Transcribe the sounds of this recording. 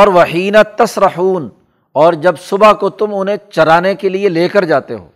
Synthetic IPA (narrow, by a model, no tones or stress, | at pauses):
ɔːɾʋɐħiːnat̪ɐsɾɐħuːn | ɔːɾd͡ʒɐbsʊbakot̪ʊmʊnɦẽt͡ʃɐɾaːnekelieleːkəɾd͡ʒaːt̪ḛɦo̰ː